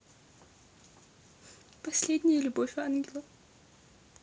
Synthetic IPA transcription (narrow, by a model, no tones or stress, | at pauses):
pɐsʲlʲedʲnʲɪjəlʲʊbofʲanɡʲɪlˠə